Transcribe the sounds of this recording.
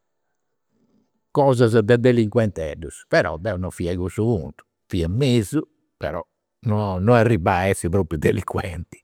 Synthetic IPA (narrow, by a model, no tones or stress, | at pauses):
kɔːzazd̪ɛd̪eliŋkwɛnt̪ɛ̰ɖuspɛɾɔ̰d̪ɛwnɔfiaɣusuunt̪u̥ | fiamezu | pɛ̰ɾɔ̰ | nɔnɔarːibaɛsːipɾoːpɾjud̪eliŋkwɛnt̪i̥